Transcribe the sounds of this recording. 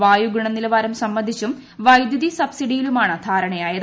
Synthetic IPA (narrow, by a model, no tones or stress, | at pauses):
ʋaːjuɡriɳɐnilɐʋaːɾɐmsɐmːɐnd̪ʱit͡ɕːum | ʋɐjd̪jɐðisɐbsiɖijilumaːɳɨd̪ʰʱaːɾɐɳɐjaːjɐð